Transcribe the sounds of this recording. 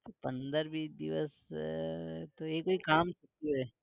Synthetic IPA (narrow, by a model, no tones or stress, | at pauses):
t̪opɐ̃nd̪əɾbʱid̪ḭʋə̰s | t̪oekːoikaːmt͡ʃɐt̪ioɛː